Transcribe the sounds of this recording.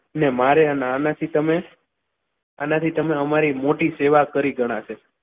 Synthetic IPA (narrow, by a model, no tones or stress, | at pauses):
ənemaɾeəneanat̪ʰit̪əme | anat̪ʰit̪əmeəmaɾimoʈiseʋakəɾiɡʱəɽ̃at͡ʃʰe